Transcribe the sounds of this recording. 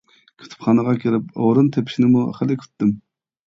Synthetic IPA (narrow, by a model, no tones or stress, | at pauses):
kʲʰy̥t̪ʰu̥pχɑːnəʁɑkʲʰiɾɪpo̰wɾunt̪ʰepʰi̥ʃnɪmuχɪlɪkʲʰy̥t̪ːɪm